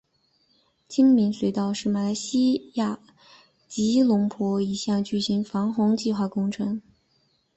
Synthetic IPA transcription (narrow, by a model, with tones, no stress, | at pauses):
t͡ɕʰi˥ŋmi˧˥nswe˧˥ɪt̪ɑ˥˧ʊʂɻ̩˥˩ma˨˧˩la˧˥ɪɕi˥ja˥˩ | t͡ɕi˧˥lʊ˧˥ŋpʰwɔ˧˥i˧˩ɕjɑ˥˩ŋt͡ɕy˥˩ɕi˧˥ŋfɑ˧˥ŋxʊ˧˥ŋt͡ɕi˥˧xwa˥˩kʊ˥ŋʈ͡ʂʰɤ˧˥ŋ